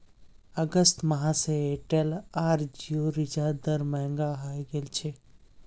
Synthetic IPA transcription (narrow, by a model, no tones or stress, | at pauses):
ɐɡəst̪mɐɦãseeːʈelaːɾd͡ʒijoɾɪd͡ʒad̪ɐɾmɛɦŋɡaɦaːiɡelt͡ʃʰe